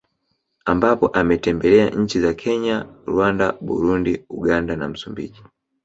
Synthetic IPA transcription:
ambapɔʔamɛtɛmbɛlɛa̰ɲ̩t͡ʃizakʰɛɲaɾuwandaɓṵɾundiuɡandana̰m̩sumbḭːʄi

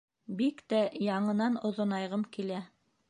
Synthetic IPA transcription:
bikt̪æjɑɴɤ̆nɑnŏðŏnɑjʁɤmkilæ

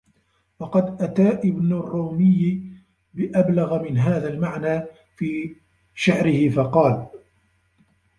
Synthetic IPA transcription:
wɑqɑd̪ʔat̪aːʔɪbnarːoːmɪjː | bɪʔablaɣamɪnɦaːðalmaʕnaː | fiː | ʃaʕɾɪhɪfɑqɑːl

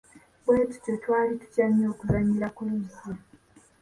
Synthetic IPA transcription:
bweːtu̥cotwaːlitu̥caɲːo̞ːkuzaɲːiɾakuluzi

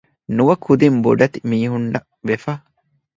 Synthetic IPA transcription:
nuʋɐkʰud̪imbo̰ɖɐt̪imiːɦuɳɖɐ | ʋefɐ

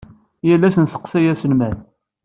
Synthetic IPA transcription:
jəlːæsənsə̥qsæjæsənmæn

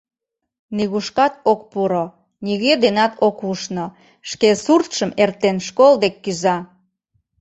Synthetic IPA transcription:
niɣuʃkɑt̪̚ok̚puɾo | niɣed̪enɑt̪okuʃno | ʃkesurt̪ʃəmert̪enʃkold̪ekːyzɑ

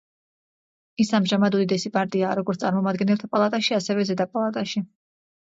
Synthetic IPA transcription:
isamʒamad̪ud̪id̪ɛsipʼaɾt̪ʼiaːɾɔɡɔɾt̪ʼaɾmɔmad̪ɡɛnɛlt̪ʰapʼalˠat̪ʼaʃiasɛvɛzɛd̪apʼalˠat̪ʼaʃi

